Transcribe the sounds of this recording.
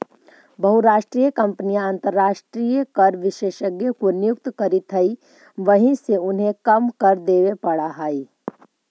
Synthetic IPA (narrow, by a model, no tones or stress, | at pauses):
bɐɦʊɾaːʃʈɾiːjəkɐ̃mpnijãə̃nt̪əɾːaːʃʈɾiːjəkɐɾʋɪʃeːʃəɡjokonɪjʊk̚t̪kɐɾit̪ʰɐi | ʋɐɦĩseʊnɦẽkɐmkɐɾd̪eːʋepɐɽaɦaːi